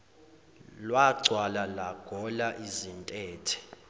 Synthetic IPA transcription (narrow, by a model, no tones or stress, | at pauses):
lwaɡ͡ǀʱwalalaɡ̥ʱɔlaʔizintʼɛːtʰɛ̥